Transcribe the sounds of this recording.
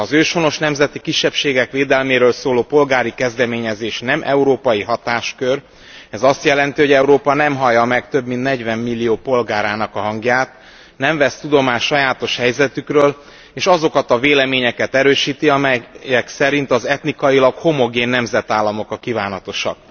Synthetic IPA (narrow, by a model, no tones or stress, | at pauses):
ɒzøːʃho̞no̞ʃnɛmzɛt̪ikiʃːɛpʃeːɡɛkʋeːd̪ɛlmeːɾøːlsoːloːpo̞lɡaːɾikɛzd̪ɛmeːɲɛzeːʃnɛmʔɛuɾoːpɒjiɦɒt̪aːʃkør | ɛzɒst̪jɛlɛnt̪iɦo̞ɟɛuɾoːpɒnɛmɦɒjɒmɛkt̪ø̞bmint̪nɛɟvɛmːilːijoːpo̞lɡaːɾaːnɒkɒɦɒŋɡjaːt̪ | nɛɱvɛst̪ud̪o̞maːʃɒjaːt̪o̞ʃhɛjzɛt̪ykrøːl | eːʃɒzo̞kɒt̪ɒveːlɛmeːɲɛkɛt̪ɛɾøːʃiːt̪iɒmɛjɛksɛɾint̪ɒzɛt̪nikɒjilɒkho̞mo̞ɡeːnːɛmzɛt̪aːlːɒmo̞kɒkːivaːnɒt̪o̞ʃɒ̰k